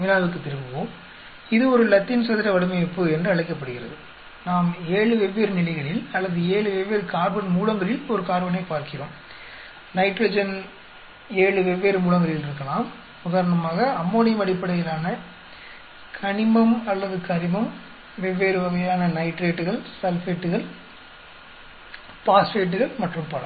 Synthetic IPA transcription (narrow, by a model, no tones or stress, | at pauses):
mɪlaːɐʋɯk̬ːɯt̪ːɪɾɯmbɯʋoː | ɪðɯɔɾɯlɐt̪ːɪnsɐðɪɾɐʋɐɽɯmɐjɐpːɯɛndrɯɐɭɪkːɐp̬ːɐɽɯɣɪrɐ̰ðɯ | naːmeːɭɯʋɛʋːeːɾɯnɪlɐɪɣɐɭɪlɐlːɐðɯeːɭɯʋɛʋːeːɾɯkaːɾbɐnmuːɭɐŋɡɐɭɪlɔɾɯkaːɾbɐnɐɪpːaːɾkɪroːm | nɐɪʈɾoːd͡ʒɐn | eːɭɯʋɛʋːeːɾɯmuːɽɐŋɡɐɾɪlɪɾɯkːɐɭaːm | ʊðaːɾɐnɐmaːɣɐːmːoːnɪjɐmɐɽɪpːɐɽɐjɪlaːnɐ | kʰɐɳɪmɐmɐlːɐðɯkɐɾɪmɐm | ʋɛʋːeːɾɯʋɐɣɐjaːnɐnɐɪʈɾeːʈːɯɣɐɭsɐlfeːʈːɯɣɐɭ | paːsfeːʈ̬ːɯɣɐɭmɐʈrɯmpɐlɐ